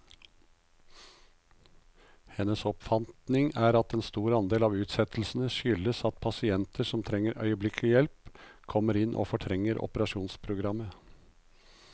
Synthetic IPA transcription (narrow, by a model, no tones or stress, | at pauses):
hɛnːəsɔpfɑnt̪nɪŋæːɾɑt̪eːnst̪uːɾɑnd̪eːlɑːʋʉːt̪sɛt̪ʰl̩sn̩əʃʏləsɑt̪̚pʰɑsɪɛnt̪ʰəʂɔmt̪ʰɾɛŋːəɾʔœ̰ʏəblɪkʰlɪjɛlpkʰɔməɾɪnʔo̰ːfɔʈʰɾɛŋːəɾʔɔ̰pəɾɑʂuːnspʰɾʊɡɾɑmːə